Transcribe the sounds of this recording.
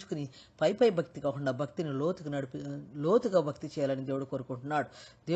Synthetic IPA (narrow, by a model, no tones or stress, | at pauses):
t͡ʃu̥kuni | pɐjpɐjbʱɐk̚t̪ikaːkuɳɖaːbʱɐkt̪iniloːt̪uɡnɐɽpiloːt̪uɡaːbʱɐk̚t̪it͡ʃɛːjaːlɐnid̪eːʋɐɽukoːɾukuɳʈunːaːɽud̪eː